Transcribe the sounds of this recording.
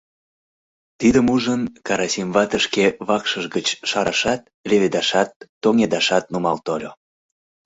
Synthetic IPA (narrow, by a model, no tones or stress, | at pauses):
t̪id̪əmuʒənkɑɾɑsʲimvɑt̪əʃkeβɑkʃəʒɡət͡ɕʃɑɾɑʃɑt̪̚lʲeβed̪ɑʃɑt̪ːoŋed̪ɑʃɑt̪̚numɑlt̪olʲo